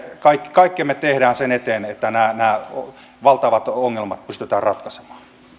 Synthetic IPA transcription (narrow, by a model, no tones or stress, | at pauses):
kɑikːi̥kɑikːemet̪ehdæːnsenet̪eːnet̪ːænæːnæːo | ʋɑlt̪ɑʋɑt̪oŋːelmɑt̪̚pyst̪et̪ɑːrrɑt̪kɑse̥mɑ̥ː